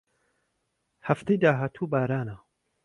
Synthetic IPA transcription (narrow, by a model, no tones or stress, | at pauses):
hɐft̪ejd̪aːɦaːt̪ʰuːbaːɾaːna